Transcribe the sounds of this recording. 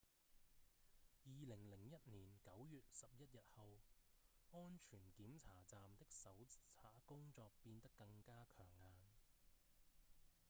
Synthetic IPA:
jiː˨lɪ˨˩ŋlɪ˨˩ŋjɐ˥t̚niː˨˩nkɐ˨˥wjyː˨t̚sɐ˨p̚jɐ˥t̚jɐ˨t̚hɐ˨w | ŋɔː˥nt͡ʃʰyː˨˩nkiː˨˥mt͡sʰaː˨˩t͡saː˨mt̪ɪ˥k̚sɐ˨˥wt͡sʰaː˨˩kʊ˥ŋt͡sɔː˧k̚piː˧nt̪ɐ˥kːɐ˧ŋkaː˥kʰœː˨˩ŋːaː˧n

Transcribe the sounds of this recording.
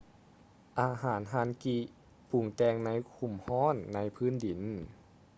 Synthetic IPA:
ʔaː˧ɦaː˨˩˦nɦaː˧˦nki˧ | pʰu˨˩ŋt͡ɕɛː˧ŋna˧˥˨jkʰu˧˩mhɔː˧˥˨nːa˧˥jpʰɯː˧˥˨ndi˨˩˦n

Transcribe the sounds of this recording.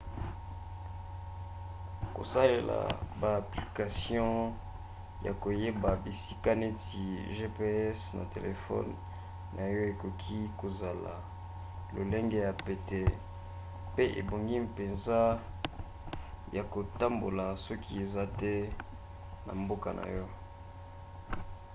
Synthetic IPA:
ko̰˨sa˦le˨la̰˨baː˨pli˨ka˨sjɔ̃˦ | ja̰˨ko˨je˦ba˨bi˨si˦ka˦ne˦ti˨ʒe˦pe˦ɛ˦sna̰˨tḛ˨le˨fɔ̰˦nː | a˨jɔ˦e˨ko˨kʰi˦ko˨za˨la̰˨ | lo˨le˦ŋɡe˦ja˨pe˨te˨ | pe˦ʔḛ˨bo˨ŋɡi˦mpe˨nza˦ | ja˨ko˨ta˦mbo˨la˨sɔ˦ki˦e˨za˦tɛ˦ | na̰˨mbo˦ka˨nʔa̰˨jɔ˦

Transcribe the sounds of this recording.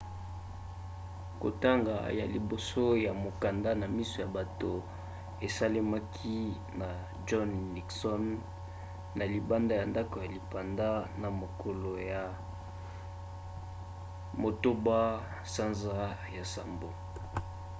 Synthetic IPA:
ko̰˨ta˦ŋɡa̰˨ja̰˨li˨bo˨so˦ja˨mo˨ka˨nda˦na˨mi˦so˨ja˨ba˨to˨ | e˨sa˦li˦ma˦kʰi˦ | na˨ | d͡ʒɔ˦nːi˨ksɔ˦nː | a˨li˨ba˦nda˦ja˨nda˦ko˨ja˨li˨pa˨nda˦na˨mo˨kʰo˨lo˨ja˨ | mo˨to˦ba˦ | sa˦nza˦ja˨sa˨mbo˦

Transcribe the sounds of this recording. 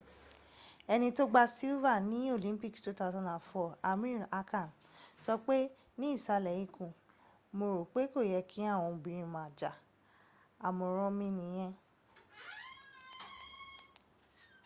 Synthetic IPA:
ɛ˧nĩ˧to˦ɡ͡ba˧si˦va˦˨nĩ˨˦o˦˨lĩ˦mpi˦˨ktu˦ta˧˦˧zã˧ndã˨fɔ˨a˨˧mĩ˦˨ɾa˦ka˦˨n | sɔ˧k͡pe˦ | nĩ˦i˦˨sa˧lɛ˨ji˦kũ˨ | mo˧ɾo˨k͡pe˨˦ko˦˨jɛ˧kʰĩ˦a˦˨w̃ɔ̃˧bĩ˧ɾĩ˧mã˨d͡ʒa˨ | a˨mo˧ɾ̃ɔ̃˦mĩ˦nĩ˧˦j̃ɛ̃˦

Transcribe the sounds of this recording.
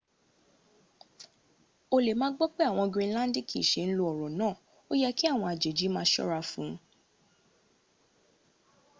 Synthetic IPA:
o˧le˨mãː˦ɡ͡bɔ˦k͡pe˦a˦˨w̃ɔ̃˧ɡɾĩ˧˦lã˦n˦di˦ki˦˨ʃe˨˦n̩˦lo˧ɔ˨ɾɔ˨nãː˦˨ | o˦jɛ˦ki˦a˦˨w̃ɔ̃˧a˨d͡ʒe˨d͡ʒi˨˦mãː˧˦ʃɔ̰˦ɾa˧fũ˨˦

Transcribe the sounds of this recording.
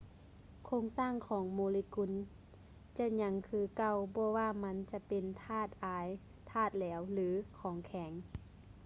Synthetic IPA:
kʰoː˧˥ŋsaː˧˥˨ŋkʰɔː˨˦ŋmoː˧˦li˧ku˧˥˨n | t͡ɕa˧˥ɲa˧˥ŋkʰɯː˧ka˧˩wbɔː˧waː˧ma˧˥nt͡ɕa˧pe˨nt̪ʰaː˧˥˩t̪̚ʔaː˨˦j | t̪ʰaː˧˩t̪̚lɛː˨˦wlɯː˨˦kʰɔː˨˦ŋkʰɛ˩˦ŋ

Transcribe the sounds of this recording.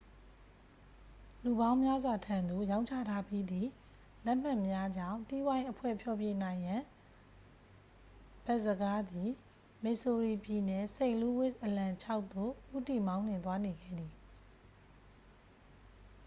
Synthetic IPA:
lu˨bã˦ʊ̃mja˦zwa˨tʰã˨nd̪o˨jã˦ʊ̃ɲt͡ɕʰä̰˦˨tʰa˦pji˦d̪i˨ | lɛ˦ʔm̥ã˦˨mja˦d͡ʑã̰˦˨nti˦wã˦ɪ̃ʔəpʰwɛ̰˦˨pʰjɔ˨pje˨nã˨ɪ̃jã˨ | b̥ɛ˦ʔzəɡa˦d̪i˨ | mɪ˦˨ʔso˨ɹi˨pji˨nɛ˨sẽ˦˨ɪ̃lu˦wɪ˦˨sʔəlã˨t͡ɕʰa˦ʊʔt̪ːo̰˦˨ʔu˦ti˦˨mã˦ʊ̃n̥ɪ̃˨t̪wa˦ne˨ɡɛ̰˦˨d̪ði˨

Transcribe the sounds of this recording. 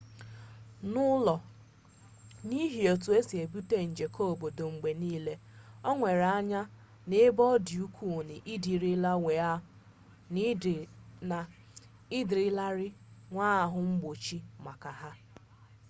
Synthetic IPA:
nʊ˦lɔ˨ | ni˦ɦi˨o˨tu˨e˦si˨e˨bu˦te˦n̩˨d͡ʒe˨ko˦o˨bo˨do˨ŋ͡m̩˨ɡ͡be˨niː˦le˦ɔ˦ŋʷe˨ɾa˦ɲa˦ | ne˦bɔ˦di˨u˦kʰʷu˨nɪ˨ʔɪ˦di˨ɾi˦la˦we˨a˦ | n˦˨na˨ | ɪ˦di˨ɾɪ˦la˦ɾɪ˦ŋʷaː˦˨ɦʊ˨ŋ͡m̩˦ɡ͡bo˨t͡ʃi˦ma˨ka˨ɦa˦

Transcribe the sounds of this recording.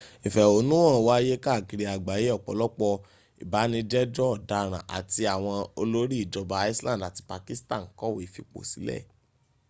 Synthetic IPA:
ĩ˨fɛ˨o˨˦nũ˦ã˦˨wa˦je˦ka˦˨ɡi˧ɾi˨a˨ɡ͡ba˨je˨˦ɔ˦˨k͡pɔ̰˨lɔ˦k͡pɔ˧ | i˨ba˨˦nĩ˧d͡ʒɛ˦d͡ʒɔ˦ɔ˨da˨ɾ̃ã˨ʔa̰˨ti˧a˨w̃ɔ̃˧o˧lo˦ɾi˦i˦˨d͡ʒɔ˧ba˧˦i˦slã˦˨da˨ti̥˧pa˧ki˦stã˦˨ŋ̩˨kɔ˦˨we˨fi˧k͡po̰˨si˨˦lɛ̰˦˨

